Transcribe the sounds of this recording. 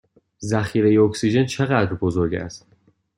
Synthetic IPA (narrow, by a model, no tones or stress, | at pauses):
zæxiːɾejeoksiʒe̞nt͡ʃʰe̞ɣæd̪ɾbozo̞ɾɟæ̰st̪